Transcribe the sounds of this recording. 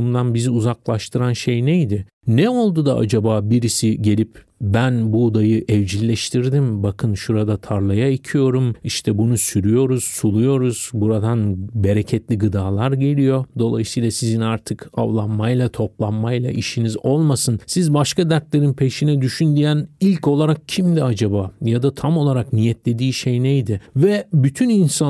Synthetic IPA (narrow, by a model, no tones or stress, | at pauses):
nd̪anbiziuzaklˠaʃt̪ʰɯɾanʃe̞jnejd̪ɪ | nɛo̞lˠd̪ud̪aʔa̰d͡ʒabaːbiɾisiɟe̞lʲip | bænbud̪ajɯʔɛvd͡ʒilʲːɛʃt̪ʰiɾd̪imbakʰɯnʃuɾad̪at̪ʰaɾlˠajaicʰijo̞ɾumiʃt̪ʰɛbunusyɾyjo̞ɾuz̥sulˠujo̞ɾuz̥buɾad̪anbe̞ɾecʰɛt̪lʲiɡɯd̪aːlˠaɾɟe̞lʲijo̞d̪o̞lˠa̰jɯsɯjlˠasizinaɾt̪ʰɯka̰vlˠanmajlˠat̪ʰo̞plˠanmajlˠa̰ʔiʃinizo̞lˠmasɯnsizbaʃkad̪æɾt̪lʲe̞ɾinpʰe̞ʃinɛd̪yʃynd̪ijænilʲco̞lˠaɾak̚cʰimd̪iad͡ʒabaːjad̪at̪ʰamo̞lˠaɾaknijɛt̪lʲe̞d̪iːʃejnejd̪ɪvɛbyt̪ʰyninsa